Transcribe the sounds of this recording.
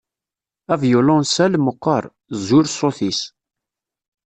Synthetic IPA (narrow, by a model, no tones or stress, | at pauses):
ævjʊlʊnsælmoqːəɾˤ | zuɾsoθis